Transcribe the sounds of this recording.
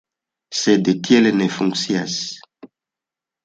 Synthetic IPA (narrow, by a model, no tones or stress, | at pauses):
sɛdetjɛlenɛfũŋksjas